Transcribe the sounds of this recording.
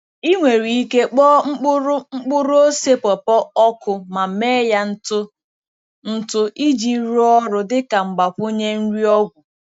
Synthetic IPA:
i˦ŋʷe˨ɾi˨i˦ke˦k͡pɔː˦ŋ͡m̩˦k͡pʊ˦ɾʊ˦ŋ͡m̩˦k͡pʊ˦ɾʊ˦o˦se˦pɔ˨pɔ˦ɔ˦kʊ˨ma˨meː˦ja˦n̩˦tʊ˦ | n̩˦tʊ˦i˦d͡ʒi˨˦ɾu˦ɔ˦ɾʊ˨dɪ˦ka˨ŋ͡m̩˨ɡ͡ba˨po˦ɲe˦n̩˦ɾi˦ɔ˦ɡʷʊ˨

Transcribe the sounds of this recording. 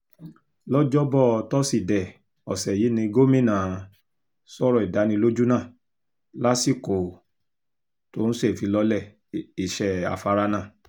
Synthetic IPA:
lɔ˦d͡ʒɔ˦bɔ˦˨˧tɔ˦si˦˨dɛ˨ | ɔ˨sɛ˨ji˨˦nĩ˧ɡo˦mĩ˦˨nã˨ | sɔ˦ɾɔ˦˨i˨da˨˦nĩ˧lo˦d͡ʒu˦nã˦˨ | la˦si˦˨ko˨ | to˦ñ̩˦se˦˨fi˨˧˦lɔ˧˦lɛ˦˨ | i˨ʃɛ˨a̰˨fa˨˧ɾa˦nã˦˨

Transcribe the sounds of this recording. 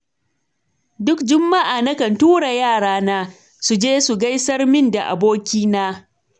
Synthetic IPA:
dʊ˦kd͡ʒʊ˦mːa˦ʔaː˨nɐ˦kɐ˨ntuː˦ɽa˨jaː˦˨ɽaː˦naː˦ | su˨d͡ʒeː˦su˨ɡa˦jsɐ˦rmɪ˦nda˨ʔa̰˨boː˦kʲiː˦naː˦

